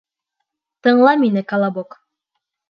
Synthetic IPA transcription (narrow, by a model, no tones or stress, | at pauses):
t̪ɤ̆ɴlˠɑminɘkalˠɑbok